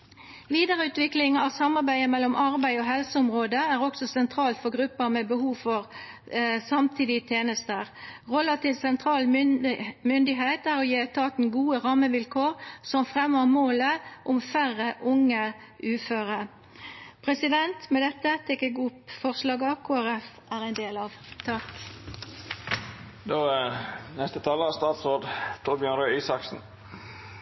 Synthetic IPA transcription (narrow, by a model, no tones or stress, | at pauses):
ʋiːd̪əʁəʉːt̪ʋɪklɪŋɑʋsɑmɑʁbæɪəmɛlːɔmʔɑʁbæɪɔɦɛlsəʊmʁoːd̪əæʁɔksɔsɛnt̪ʰɾɑːlt̪fɔʁɡʁʉpːəmɛbəhuːʋfɔʁ | sɑmt̪ʰiːd̪ɪt̪ʰjeːnəst̪əʁɔlːət̪ʰɪlsɛnt̪ʰʁɑːl | mʏnd̪ɪɦeːt̪æʁɔjeːt̪ʰɑːt̪n̩ɡuːəʁɑmːəʋɪlkʰoːʁsɔmfʁɛməʁmoːləʔʊmfæʁəʔʊŋə | ʔʉːføːʁə | pʰʁɛsɪd̪ɛnt̪mɛd̪ɛt̪ːət̪ʰɛkəɡʊpfɔʁslɑːɡɑkʰoːæʁɛfʔæːʁæɪnd̪eːlɑʋt̪ʰɑk | d̪oːnɛst̪ət̪ʰɑːləɑst̪ɑːt̪sɾoːd̪t̪ʰuːɾbjœnɾøːiːsɑksn̩